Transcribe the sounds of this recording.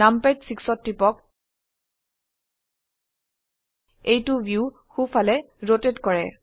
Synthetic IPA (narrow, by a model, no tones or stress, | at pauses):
ampetsiksɔtːipɔk | ejtubju | xufʰalɛ | ɹotetkɔɹɛ